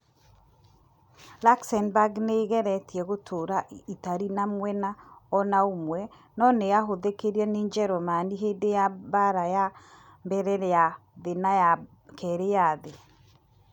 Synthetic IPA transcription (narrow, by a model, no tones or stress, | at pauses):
laksɛnbaɡneɣɛɾɛtiɛɣotʰoɾaitaɾinamwɛnaɔnaomwɛ | nɔneaɦoðekeɾiɛneɲd͡ʒɛɾɔmaniɦeːdejabaɾaja | mbɛɾɛɾɛjaðenaja | kɛɾejaðe